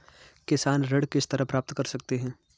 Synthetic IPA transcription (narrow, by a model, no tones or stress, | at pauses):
kɪsaːnɾɐɽkɪst̪ɐɾapɾaːp̚t̪kɐɾsɐk̚t̪eɦɛ̃ː